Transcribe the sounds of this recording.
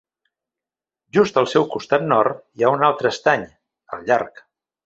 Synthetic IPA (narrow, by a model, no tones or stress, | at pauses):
ʒust̪əlˠsɛwkust̪at̪̚nɔrt̪iaunalˠt̪ɾəst̪aɲ | ə̰lˠʎaɾk